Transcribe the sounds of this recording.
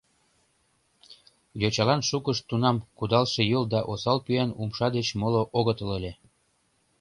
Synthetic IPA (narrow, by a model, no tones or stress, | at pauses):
jot͡ɕɑlɑnʃukəʃt̪unɑmkud̪ɑlʃĕjɤld̪ɑʔosɑlpyænumʃɑd̪et͡ɕmoloʔoɣət̪ɤ̆lelʲe